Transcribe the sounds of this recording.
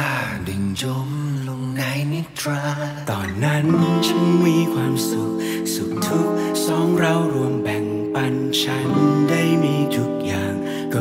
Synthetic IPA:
di˨˩ŋt͡ɕo˧˥mlo˧ŋna˧˥jni˧˥t̪ʰɾaː˧˦˥ | t̪ɔː˨˩nːa˦˥n˧t͡ɕʰa˥˩miː˧kʰwaː˧msu˨˩k̚ | su˨˩k̚t̪ʰu˦˥k̚ | sɔː˨˦˥ŋɾa˧wɾu˧əmbɛ˨˩ŋ | pa˧n | t͡ɕʰa˦˥nda˥˩jmiː˧t͡ɕu˨˩k̚jaː˨˩ŋ | kɔː˧˩

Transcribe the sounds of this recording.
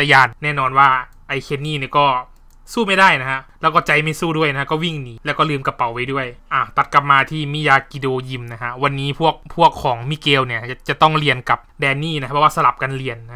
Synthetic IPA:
t̪a˧jaː˧˩nːɛː˥˩˨nɔː˧nwaː˥˩ | ʔa˧jkʰe˧nːiː˥˩˨ni˧˩kɔː˥˩ | suː˥˩ma˥˩jdaː˥˩jna˦˥kʰa˦˧˥lɛː˦˥wkɔː˥˩t͡ɕa˧jma˥˩jsuː˥˩du˥˩əjna˦˥a˧kɔː˥˩wi˥˩ŋniː˩˦lɛː˦˥wkɔː˥˩lɯː˧mka˧pa˨˩˦wːa˦˥jdu˥˩əjʔaː˧˩t̪a˨˩t̪̚ka˨˧˩p̚maː˧t̪ʰiː˥˩miː˦˥˩jaː˧ki˧doː˧ji˧mna˦˥kʰa˦˧˥wa˧nːiː˦˥pʰu˥˩ək̚pʰu˥˩əkʰːɔː˩˦ŋmi˧˥˩keː˧wni˥˩ɐ˩t͡ɕa˨˩t̪ɔ˥˩ŋli˧ənka˨˩p̚dɛː˧nːiː˥˩na˦˥a˧pʰɔ˧˦waː˥˩sa˧la˨˩p̚ka˧nli˧ənː˦˥

